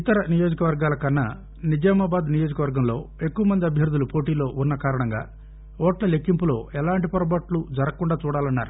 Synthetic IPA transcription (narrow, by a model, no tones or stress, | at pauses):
it̪ɐɾɐnijo̞ːd͡ʒɐkɐʋɐɾɡaːlɐkɐnːɐ̰ | nid͡ʒɐːmɐbaːd̪nijo̞ːd͡ʒɐkɐʋɐɾɡɐmlo̞ːe̞kːuʋɐmɐnd̪iɐbʱjɐɾud̪ːulupo̞ːʈiːlo̞ːʔunːɐkaːɾɐɳɐŋɡa̰ː | ɔːʈlɐle̞kːimpulo̞ːɛlaːɳʈipɐɾɐbɐʈlud͡ʒɐɾɐkuɳɖaːt͡ʃuːɽaːlɐnːa̰ːɾu